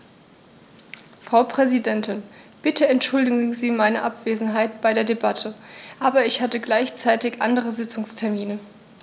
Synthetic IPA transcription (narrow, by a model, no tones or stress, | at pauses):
fʁ̥aʊpʁ̥ɛzidɛntɪn | b̥ɪtʰəɛntʃʊldɪɡ̩ŋŋ̩ziːmaɪnəʔapv̥eːzn̩ɦaɪtb̥aɪɾeːɐdebatʰəʔaːbɐɪçhatəɡlaɪçt͡saɪtɪçʔa̰ndəʁ̞əzɪt͡sʊŋstʰɛɐmiːnə